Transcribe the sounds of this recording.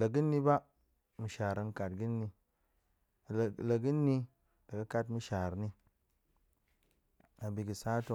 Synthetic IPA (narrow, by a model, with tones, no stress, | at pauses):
lə˨ɡɨ˦nːi˧ba˦ | mu˨ʃa˨ɾa˧ŋ˨ka˨t̚ɡɨ˦nːi˧˨ | lə˨ɡɨ˦nːi˦ | la˨ɡɨ˦ka˧tmu˧ʃa˨ɾni˧ | a˨bi˨ɡi˨saː˦to˧